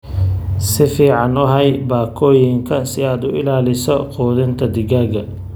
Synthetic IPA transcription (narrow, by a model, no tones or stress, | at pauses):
sɪfiːʕɑnʊɦɐjbaːkʰɔːjɪŋkʰɐsɪaːd̪ʊɪlaːlɪsɔqɔːðɪnt̪ʰɐd̪ɪɣaːɡɐ